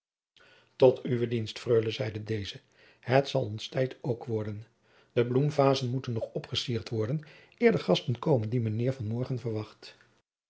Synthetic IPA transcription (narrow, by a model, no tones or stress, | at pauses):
tɔtyʋədinstfrøːləzɛjdədejzə | hətsɑlˠɔnstɛjtʰowkʋɔɹdən | dəblumvaːzənmutənːɔχɔpχəsiːɹtʋɔɹdən | ɪːɹdəχɑstənkowməndimənːɪːɹvɑnmɔɹχənvəɹʋɑχt